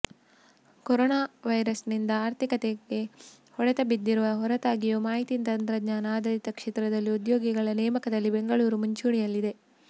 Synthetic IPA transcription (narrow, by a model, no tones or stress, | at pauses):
koɾɔːnaːʋɐjɾɐsnind̪ɐaːɾt̪ʰikɐt̪eɡe̞ | hɔɽɐt̪ɐbid̪ːiɾuʋɐɦɔɾɐt̪aːɡijumaːɦit̪int̪ɐnt̪ɾɐd̪ɲaːnaːd̪ɐɾit̪ɐkʂɛːt̪ɾɐd̪ɐlːiud̪joːɡiɡɐɭɐnɛːmɐkɐd̪ɐlːibe̞ŋɡɐɭuːɾumuɲt͡ʃuːɳijɐlːid̪e̞